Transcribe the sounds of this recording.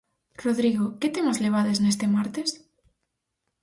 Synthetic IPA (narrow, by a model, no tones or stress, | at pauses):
roðɾiɣoket̪emazleβ̞aðeznest̪emaɾt̪es